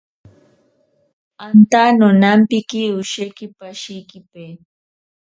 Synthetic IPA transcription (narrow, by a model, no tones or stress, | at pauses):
ant̪anʊnampɪkɪʊʃajkɪpaʃɪjkɪpej